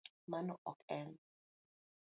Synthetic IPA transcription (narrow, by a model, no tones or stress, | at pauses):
manɔʔɔkɛn